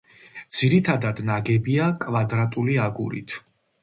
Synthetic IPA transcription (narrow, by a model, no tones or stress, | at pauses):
d̪z̥iɾit̪ʰad̪ad̪naɡɛbiakʼvad̪ɾat̪ʼuliaɡṵɾḭt̪ʰ